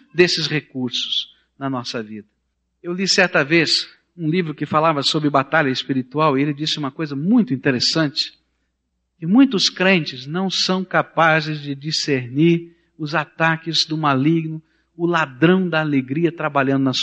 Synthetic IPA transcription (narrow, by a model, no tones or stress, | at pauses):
d̪esɪsʁekuɾsʊ̥s | nɐnɔsɐvid̪ɐ | ewlisɛɾt̪ɐves | ũlivɾʊkɪfalavɐsobɾɪbat̪aʎɐespiɾit̪uawielɪd͡ʒisɪũmɐkojzɐmũj̃t̪ʊĩnt̪eɾesɐ̃nt͡ʃɪ̥ | kɪmũj̃t̪ʊskɾẽnt͡ʃɪznɐ̃w̃sɐ̃w̃kapazɪzd͡ʒɪd͡ʒiseɾniɾ | ʊzat̪akɪzd̪ʊmaliɡnʊ | ʊlad̪ɾɐ̃w̃d̪ɐaleɡɾiɐt̪ɾabaʎɐ̃nd̪ʊnɐs